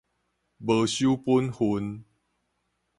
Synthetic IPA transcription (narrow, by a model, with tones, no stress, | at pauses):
bə˨˩ɕu˦pu˦nhu˧˦n